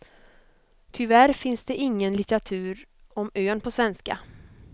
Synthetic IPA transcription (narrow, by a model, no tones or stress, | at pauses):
t̪ʰʏvæɾfɪnsd̪ɛɪŋːənlɪt̪əɾat̪ʰʉ̟ːɾ | ɔmøːnpʰɔsvɛnska̰